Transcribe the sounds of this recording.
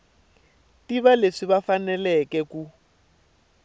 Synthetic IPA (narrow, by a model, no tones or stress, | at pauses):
tiβaleʂiβafanɛlɛkɛku